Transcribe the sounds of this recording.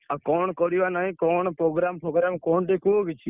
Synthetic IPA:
akɔːɳkɔɽiʋanaɦĩkɔːɳpɾoːɡɾaːmpɾoːɡɾamkɔːɳʈ̪ikuɡit͡ʃʰi

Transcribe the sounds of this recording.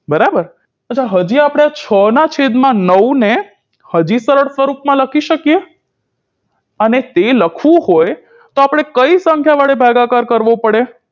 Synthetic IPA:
bəɾabəɾ | əːt͡ʃʰaɦəd͡ʒiapɽ̃eat͡ʃʰənat͡ʃʰed̪mãnəwne | həd͡ʒisəɾəɽsʋəɾupmãləkʰiʃəkije | ənet̪eləkʰʋũɦoj | t̪oapɽ̃ekəisəŋkʰjaʋaɽebʱaɡakaɾkəɾʋopəɽe

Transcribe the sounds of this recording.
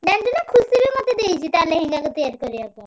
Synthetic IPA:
ɖand͡ʒunakʰusibimot̪ed̪ejt͡ʃʰit̪aleɦinakɔt̪ɔjaɾkɔɾiakɔ

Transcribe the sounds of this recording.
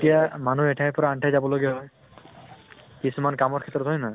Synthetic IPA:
tijamanuɛʈʰajpɔɹaaɳʈʰajzabɔloɡijaɦɔj | kisumankamɔɹkʰɛt̪ɔɹɔt̪ɦɔjna

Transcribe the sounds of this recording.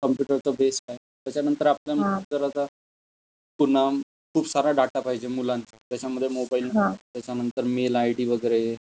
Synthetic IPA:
kəmpjuʈəɾt͡səbeskae | t̪jat͡ɕanə̃nt̪əɾapljamətəɾat̪a | pun̤a | kʰuːbsaɾaɖaʈapaɦid͡ʑemulãnt͡sa̰t̪jat͡ɕaməd̪ʱːjemobailt̪jat͡ɕanənt̪əɾmelajʈiːʋəɡəɾe

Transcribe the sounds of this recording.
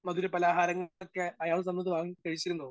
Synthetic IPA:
mɐðuɾepɐlaːɦaːɾɐŋːokːeɐjaːɭsɐmːɐðɨʋaːŋikɐɻit͡ɕːiɾunːoː

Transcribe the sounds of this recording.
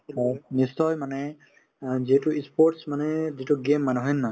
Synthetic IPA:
nisɔjmanɛ | ziɦɛtʊispʰɔʈsmanɛzitʊɡemːanɛɦɔjnːa

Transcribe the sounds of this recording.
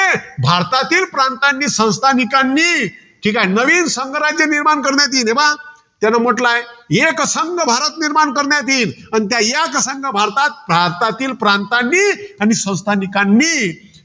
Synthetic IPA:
ebʱaɾt̪at̪iːlpɾant̪anːiːsə̃w̃st̪ʰanikanːiː | ʈʰiːkajnəʋiːnsəŋɡəɾad͡ʑjəniɾmankəɾnjat̪̬iːneʋa | t̪janːam̤əʈlajeksəŋɡəbʱaɾət̪niɾmankəɾnjat̪̬iːnanit̪̬jajaksəŋɡəbʱaɾt̪at̪̚bʱaɾt̪at̪iːlpɾãnt̪anːiːañisə̃w̃st̪ʰanikanːiː

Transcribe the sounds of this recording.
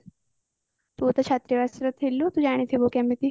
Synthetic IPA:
t̪uːt̪ɐt͡ʃʰaːt̪ɾiʋasɐɾɐt̪ʰilːut̪ud͡ʒaːɽ̃it̪ʰibokɛmːit̪i

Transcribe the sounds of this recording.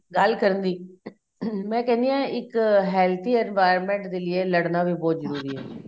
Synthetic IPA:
ɡəlkəɾənd̪iː | mɛ̃ːkɛ̃ːnd̪iːjãːʔɪkɦɛːlt̪ʰiːɛnʋaːɪɾɾmɛ̃ːɳʈd̪eːlɪeːləɽnaːbiːbɔːt̪zəɾuːɾiːɦɛː

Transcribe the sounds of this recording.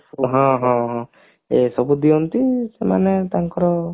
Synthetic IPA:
ɦɔ̃ɦɔ̃ɦɔ̃ | esɔbud̪iɔnt̪isemanet̪aŋkɔɾɔ

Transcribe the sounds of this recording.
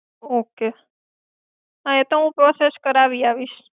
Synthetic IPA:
oke | ə̃et̪oɦũpɾoseskəɾaʋiaʋiʃ

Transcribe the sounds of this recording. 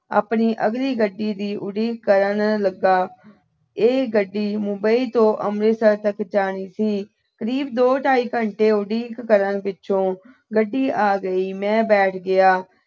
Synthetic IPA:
a̰ːpniːʔəɡliːɡəɖːiːd̪iːʔʊɖiːkːəɾənləɡːaː | eːɡəɖːiːmʊmbəiːt̪õːʔə̰mɾeːsəɾt̪əkd͡ʒaːniːsiː | kəɾiːbd̪oːʈʰaːiːkəɳʈeːʊɖiːkːəɾənpɪtːʃʰõː | ɡəɖːiːʔaːɡəiːmɛ̃ːbɛːʈʰɡɪaː

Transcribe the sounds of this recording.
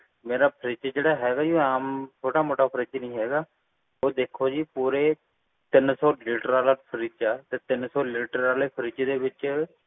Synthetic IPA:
meːɾaːpʰəɾiːt͡ʃad͡ʒeːɽaːɦɛːɡaːd͡ʒiːoaːmtʰoːʈaːmoːʈaːpʰəɾiːt͡ʃːnəĩːɦɛːɡaː | oːd̪eːkʰːoːd͡ʒiːpuːɾeː | t̪ɪnsɔːliːʈəɾaːlaːpʰəɾiːt͡ʃaːt̪eːt̪ɪnsɔːliːʈəɾaːleːpʰəɾiːt͡ʃeːd̪eːʋɪt͡ʃ

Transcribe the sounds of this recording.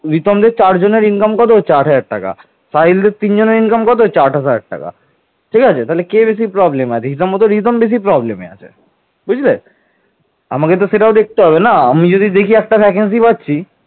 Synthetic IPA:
ɾit̪omd̪eɾt͡ɕaɾd͡ʑoneɾinkamkɔt̪̬ot͡ɕaɾɦad͡ʑaɽʈa̰ka̰ | sajld̪eɾt̪ind͡ʑoneɾinkamkɔt̪̬ot͡ɕaɾasad͡ʑa̰ɽʈa̰ka̰ | ʈʰikat͡ɕʰet̪aɦlekebeʃ̬ipɾɔblemeat͡ɕʰeɦisabmot̪̬oɾit̪̬ombeʃ̬ipɾɔblemḛa̰t͡ɕʰḛ | but͡ɕʰle | a̰maket̪̬oʃeʈaod̪ek̚ʰt̪eɦɔβenaamid͡ʑod̪ʱid̪ekʰiɛk̚ʈapʰɛk̬ens̬ipatːɕʰi

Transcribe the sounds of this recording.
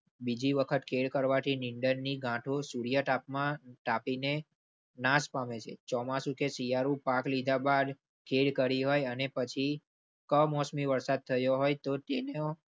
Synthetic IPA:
bid͡ʒiʋəkʰət̪kʰeɽkəɾʋat̪ʰinɪɳɖənniɡʱãʈʰosuɽjəʈapmãʈapine | naspamet͡ʃʰḛt͡ʃɔmasũkesijaɾũpãklid̪ʱabad̪ | kʰeɽkəɾiɦojənepət͡ʃʰi | kəmɔsmiʋəɾsad̪̚t̪ʰəjoɦojt̪ot̪eneo

